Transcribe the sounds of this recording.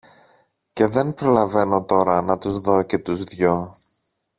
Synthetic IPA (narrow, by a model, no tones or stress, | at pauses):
ce̞ðe̞npɾo̞lɐve̞no̞t̪o̞ɾɐnɐt̪uzðo̞ce̞t̪uzðʝo̞